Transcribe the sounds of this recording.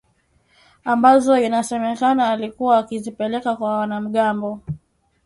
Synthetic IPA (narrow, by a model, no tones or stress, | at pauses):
ambazɔinasɛmɛkanaːlikuwaːkizipɛlɛkakwawanam̩ɠambɔ